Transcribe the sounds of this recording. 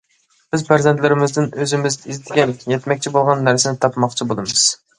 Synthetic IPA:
b̥ɪzpæɾzɛnt̪lɪɾɪmɪzd̪ɪnøzɪmɪzizɪt̪ʰɪɡʲɛnjɛt̪mɛkʲt͡ʃʰibolˠʁɑnːæɾsɪnɪt̪ʰɑpmɑqt͡ʃʰibolˠɨmɨz̥

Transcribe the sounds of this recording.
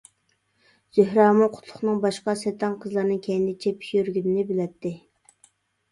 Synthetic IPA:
z̥øhɾɑːmuqʰʊ̥t̪ʰlˠʊχnɨŋbɑʃqɑsɛt̪ʰɑŋqʰəzlˠɑɾnɨŋkʲʰɛnd̪ɪt͡ʃʰɛpʰy̥ʃjyɾɡʲynɪnɪbɪlɛt̪ʰːɪ

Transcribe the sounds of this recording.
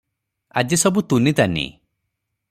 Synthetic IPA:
a̰d͡ʒisɔbut̪unit̪anḭ

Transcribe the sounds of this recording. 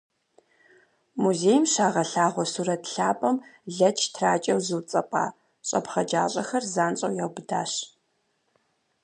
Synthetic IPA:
muzeːjmʃaːʁɐɬaːʁʷɔsuɾɐtɬaːpʼɐmɮɐt͡ʃʰtʰraːt͡ʃʼɐwzɨt͡sʼɐpʼa̰ː | ɕʼɐ̰pχɐd͡ʒa̰ːɕʼɐxɐrzaːnɕʼɐ̰wjɐwbɨda̰ːɕ

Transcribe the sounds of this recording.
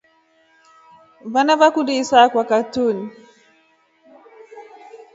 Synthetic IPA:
vanavakudisakwakatuni

